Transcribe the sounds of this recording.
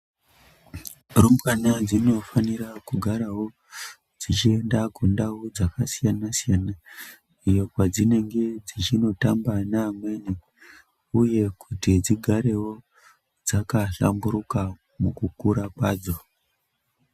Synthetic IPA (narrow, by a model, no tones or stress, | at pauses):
rumbwanad͡zino̞faniɾakuɡʱaɾawo̞ | d͡zit͡ʃie̞ndakundaud͡zakasijanasijaːna | ijo̞kwad͡zine̞ŋɡe̞d͡zit͡ʃino̞tambanaːmweni | uje̞kʰutid͡ziɡʱaɾe̞wo̞ | d͡zakaɬa̰mbuɾuka | mukukuɾakwaːd͡zo̞